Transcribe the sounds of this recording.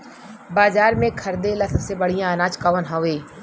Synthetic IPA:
baːzaːɾmẽkʰɐɾd̪elasɐbsebɐɽ̤ijãnaːt͡ʃkaʋənɦaʋeː

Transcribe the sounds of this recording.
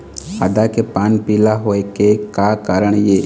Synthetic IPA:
a̰d̪akepaːnpiːlaɦoekekakaːɾəɽ̃jeː

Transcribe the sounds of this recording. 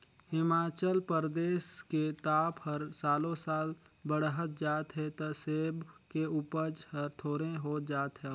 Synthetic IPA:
hɪmaːt͡ʃəlpəɾd̪eːsket̪aːphəɾsaːlõsaːl | bəɽɦət̪̚d͡ʒaːt̪ɦɛt̪oseːbkeuːpəɾd͡ʒhəɾt̪ʰoːɾẽɦoːt̪̚d͡ʒaːt̪ɦɛ̃

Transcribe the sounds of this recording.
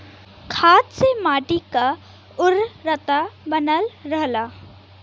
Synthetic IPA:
kʰaːt̪semaːʈika | ʊɾɾət̪abənəlɾəɦla

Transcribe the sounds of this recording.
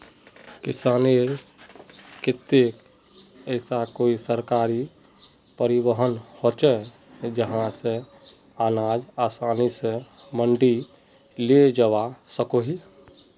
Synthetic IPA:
kɪsaːneɾ | kɪt̪ːek | ɛːsakoːisəɾkaːɾi | pəɾɪbəɦənhot͡ʃɛ | d͡ʒəɦãse | aːnaːd͡ʒaːsaːnise | mə̃ɳɖi | led͡ʒəʋasəkoɦi

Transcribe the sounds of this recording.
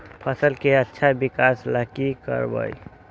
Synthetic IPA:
pʰəsəlkeətːʃʰabikasləkikə̰ɾbə̰j

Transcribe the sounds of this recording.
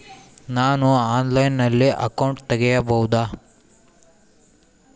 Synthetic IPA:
naːnuaːnlɐjnːɐlːiʔɐ̰kɐwɳʈt̪ɛɡɛjɐbɐwud̪aː

